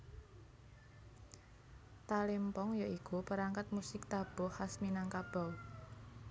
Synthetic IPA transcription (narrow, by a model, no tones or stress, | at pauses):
t̪alɪmpɔŋjaʔikupəɾaŋkat̪̚musɪk̚t̪ab̥ɔ̤hasminaŋkab̥a̤w